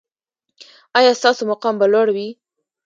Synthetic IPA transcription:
ɑjɑst̪ɑsomaqɑmbalwaɽawi

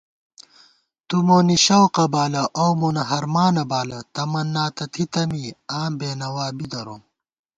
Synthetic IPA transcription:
t̪umoːniɕɐwqɐbaːlɐʔowmonɐɦɐɾmaːnɐbaːlɐt̪ɐmɐnːaːt̪ɐt̪ʰit̪ɐmiaːmbeːnɐwaːbid̪ɐɾom

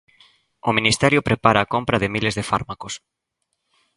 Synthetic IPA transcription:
ominist̪ɛɾjʊpɾepaɾaːkompɾɐðɪmilezðɪfa̰ɾmakos

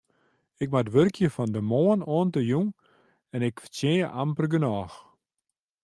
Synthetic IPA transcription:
ɪk̚matʋørkjəfɔndəmoːənoːntəjuŋ | ɛnɪkfətejəʔampərɡənɔːx

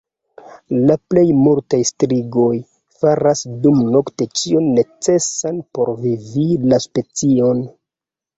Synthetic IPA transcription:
laple̞jmuɾtajstɾiɡo̞j | faɾasdumno̞kte̞t͡ʃionːe̞t͡se̞sanpo̞ɾvivilaspe̞t͡sio̞n

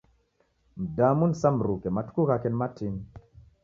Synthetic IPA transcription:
m̩damunsamɾukematu̥kukakenmatʰin

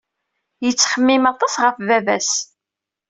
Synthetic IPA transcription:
jət͡sːχəmːɪmɑt̪ˤɑsʁəfvævæs

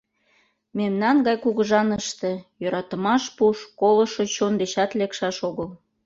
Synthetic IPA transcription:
memnɑnɡɑjkuɣəʒɑnəʃt̪ĕjøɾɑt̪ə̆mɑʃpuʃkolɤ̆ʃot͡ɕond̪eɕɑt̪lekʃɑʃoɣəl

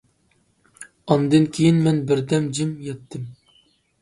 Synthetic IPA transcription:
ɑnd̪ɨnkʲʰejinmɛnbɪɾd̪ɛmd͡ʒɪmjɛt̪ʰːɪm

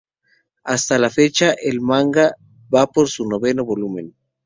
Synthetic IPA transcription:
ast̪alafet͡ʃaʔelmaŋɡa | bapoɾsunoβenoβolumẽn

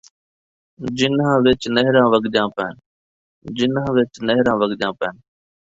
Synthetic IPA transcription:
d͡ʒɪnɦãːʋɪt͡ʃnəɦɾãːʋəɡd͡ʒãːpɛːn | d͡ʒɪnãːʋɪt͡ʃnəɦɾãːʋəɡd͡ʒãːpɛːn

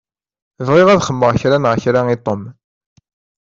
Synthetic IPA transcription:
vʁɪʁæðχəmːəʁçɾanʁçɾait̪ˤːom

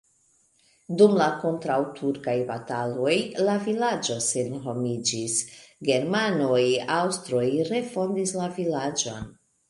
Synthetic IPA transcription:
dumlako̞ntɾawtʰuɾkajbatalo̞jlavilad͡ʒo̞senɦo̞mid͡ʒisɡe̞ɾmano̞jawstɾo̞jɾe̞fo̞ndislavilad͡ʒo̞n

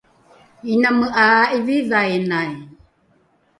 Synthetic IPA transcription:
inaməʔaʔiviðaenaj

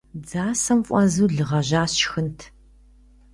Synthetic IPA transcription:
d͡zaːsɐmfʷʼɔzuːɮɨʁɐʑaːɕxɨntʰ

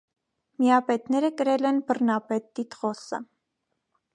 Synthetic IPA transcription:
miɑpɛt̪nɛɾəkəɾɛlɛnbərnɑpɛt̪ːit̪ʁɔsə̰

